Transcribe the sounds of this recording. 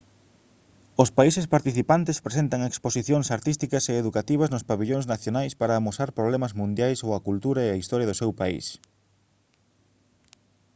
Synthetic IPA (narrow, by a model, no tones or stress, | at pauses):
ʊspaisɪspaɾt̪iθipant̪ɪspɾesent̪ɐŋeksposiθjoŋsaɾt̪ist̪ikɐseːðukat̪iβ̞ɐznʊspaβiʎoŋznaθjonajspaɾaːmosaɾpɾoβlɛmɐzmũnd̪jajsowɐkult̪uɾɐeɐist̪ɔɾjɐðʊsewpaḭs